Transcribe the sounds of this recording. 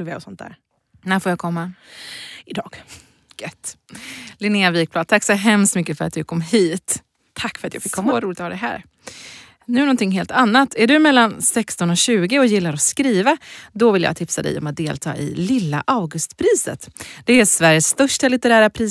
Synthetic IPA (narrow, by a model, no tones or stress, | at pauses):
veːɔsɔnt̪̚d̪æ̰ːɾ | næːfoːjaːkʰɔmːa | ɪd̪ɑːɡ̥ | ɡ̥œt̪ː | lɪnɪaviːk̚plɑːd̪̚t̪ʰakːsɔɦɛmst̪mʏkːəfœɾat̪̚d̪ɵkʰɔmːhiːt̪ʰ | akːfœɾat̪ja̰ːfɪkʰːɔmːaaɾuːlɪt̪ɔhɑːd̪ɛɦæ̰ːɾ | nʉ̟ːɳɔnt̪ɪŋːɦeːlt̪ʰanːat̪ʰːæɖɵmɛlːansɛkst̪ɔnɔɕʉ̟ːɡɪɔjɪlːaɾɔskɾiːvad̪ɔvɪlja̰ːt̪ʰɪpsad̪ɛ̰jɔ̰mat̪̚d̪eːlt̪ʰɑ̰ːʔɪ̰lɪlːa̰ʔawɡɵst̪pʰɾiːsə̰t̪d̪̥ɛæsvæɾjəst̪œʂʈalɪt̪ɛɾæːɾapʰɾiː